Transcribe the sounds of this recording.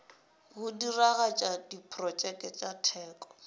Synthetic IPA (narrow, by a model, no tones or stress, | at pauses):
ɣʊdiraɣat͡ʃʼadipʰrɔt͡ʃʼɛkʼɛt͡ʃʼatʰɛːkʼɔ̥